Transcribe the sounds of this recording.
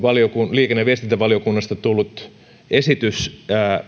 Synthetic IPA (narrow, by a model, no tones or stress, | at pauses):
ʋɑliokunliːkenːeʋiest̪int̪æʋɑljokunːɑst̪ɑt̪ulːut̪ | esit̪ysæː